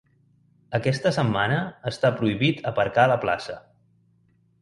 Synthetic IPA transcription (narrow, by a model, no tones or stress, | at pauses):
əkɛst̪əsəmːanəːst̪apɾuiβit̪əpəɾkaləpla̰sə